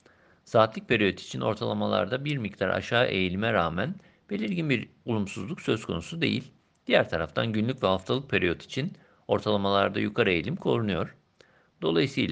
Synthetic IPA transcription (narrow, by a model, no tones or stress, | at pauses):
saːt̪lˠic̚pʰeɾijo̞t̪ʰi̥t͡ʃʰinʔo̞̰ɾt̪ʰalˠamalˠa̰ɾd̪abiɾmict̪ʰaɾʔa̰ʃaːʔe̞̰jilʲimɛɾaːmæn | be̞lʲiɾɟinbiɾulˠumsuzlˠuksø̞zkʰo̞̰nusud̪e̞̰jḭlʲ | d̪̥ijæɾt̪ʰaɾaft̪ʰanɟynlʲycʲvɛhaft̪ʰalˠɯk̚pʰeɾijo̞t̪ʰi̥t͡ʃʰin | o̞ɾt̪ʰalˠamalˠaɾd̪ajukʰaɾe̞jelʲimkʰo̞ɾunujo̞ɾ̥ | d̪̥o̞̰lˠajisɯːlʲˠ